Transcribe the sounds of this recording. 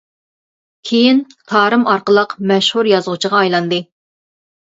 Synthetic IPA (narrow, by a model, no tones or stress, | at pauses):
kʲʰejint̪ʰɑːɾɨmɑɾqəlˠəqmɛʃhuɾjɑzʁut͡ʃʰəʁɑːjlˠɑnd̪ɨ